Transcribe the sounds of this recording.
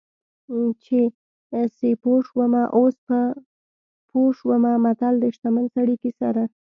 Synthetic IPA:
t͡ʃe | sepoʂwəmaʔospə | pʰoʂwəmamat̪ald̪əʃt̪amənsaɽikisa̰ɾa

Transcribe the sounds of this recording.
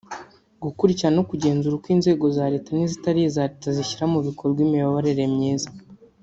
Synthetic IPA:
ɡukuɾiciɾano̞kuɟe̞ːnzuɾakwiːnze̞ːɡo̞zaːɾe̞ːtanizitaɾijezaːɾetaziçiɾamuβikʰoɾɡwiːmijoβoɾe̞ɾe̞mɲiːzḁ

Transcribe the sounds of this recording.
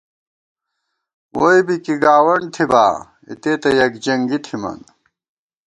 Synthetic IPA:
wojbikiɡaːwɐɳɖt̪ʰiba̰ː | ḭt̪eːt̪ɐjɐkd͡ʑɐŋɡit̪ʰimɐ̰n

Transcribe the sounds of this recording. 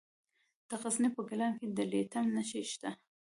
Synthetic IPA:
d̪̥əɣaznepəɡɪlɑmked̪əlet̪amnaʃeʃt̪a

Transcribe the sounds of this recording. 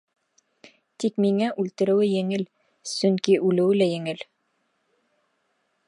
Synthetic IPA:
t̪ikmiŋæʔʉlt̪ɘ̆ɾɘ̆wɘjɘ̆ŋɘl | sɵŋkiʔʉlɘ̆wɘlæjɘ̆ŋɘl

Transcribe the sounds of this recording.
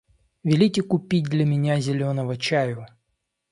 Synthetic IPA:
vʲɪlʲitʲɪkʊpʲit̚ʲd̪lʲɐmʲɪnʲazʲɪlʲonəvət͡ɕajʊ

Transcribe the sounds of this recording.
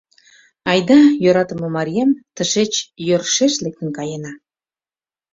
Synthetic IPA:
ɑjd̪ɑjoɾɑt̪ə̆mə̆mɑɾʲijemt̪əʃet͡ɕjørʃeʃlek̚t̪ə̆nkɑjenɑ

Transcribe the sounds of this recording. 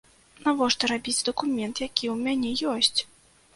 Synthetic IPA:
navɔʂt̪ɐɾabʲid͡zʲd̪ɐkumʲɛnt̪jakʲiwmʲanʲɛjɔsʲt͡sʲ

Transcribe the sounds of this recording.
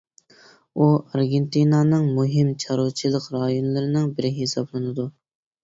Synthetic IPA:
uɑɾɡʲent̪inɑnɨŋmuɦɪmt͡ʃʰɑɾut͡ʃʰilˠəqɾɑjonlˠɨɾɪnɨŋbɪɾɪɦɪsɑblˠɨnɨd̪u

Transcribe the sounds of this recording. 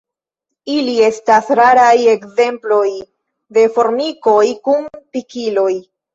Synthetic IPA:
ilie̞stasɾaɾaje̞kze̞mplo̞j | de̞fo̞ɾmiko̞jkumpikilo̞j

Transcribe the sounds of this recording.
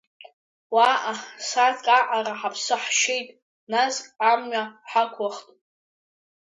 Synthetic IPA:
waʔasatʰkʼaʔaraħapʰsɨħʃejtʼ | nazkʼamɥaħakʷʰaχtʼ

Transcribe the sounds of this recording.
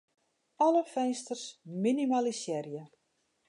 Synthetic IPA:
ɔləfɛnstərsminimalisjɛrjə

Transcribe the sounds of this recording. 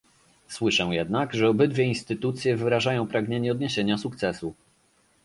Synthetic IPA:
swɘʂɛ̃jɛd̪naɡʐɛɔbɘd̪vʲjɛinst̪ɘt̪ut̪sʲjɛvɘɾaʐajɔ̃w̃pɾaɡɲeɲɛɔd̪ɲeɕeɲasuk̚t̪sɛsu

